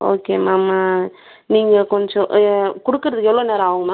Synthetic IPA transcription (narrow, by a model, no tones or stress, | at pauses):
o̰ːkeːmaːmaː | niːŋɡɐkɔɲd͡ʒɔ̃ʔkʊɽɯkːɯɾɐðɯkːɛʋloːneːɾɐ̃aːʋɯŋɡɐmãː